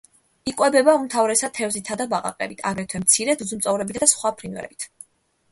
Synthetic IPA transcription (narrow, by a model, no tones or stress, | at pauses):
iqʼwɛbɛbaumt̪ʰavɾɛsat̪ʰɛvzit̪ʰad̪abaqʼa̰qʼɛ̰bit̪ʰa̰ɡɾɛt̪ʰwɛmt̪sʰiɾɛd̪uzumt̪sʼɔvɾɛbit̪ʰd̪asχwapʰɾinvɛ̰ɾɛ̰bit̪ʰ